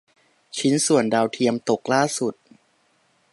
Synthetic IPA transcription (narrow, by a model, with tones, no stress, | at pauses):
t͡ɕʰi˦˥nsu˨˩əndaː˧wt̪ʰi˧əmt̪o˨˩k̚laː˥˩su˨˩t̪̚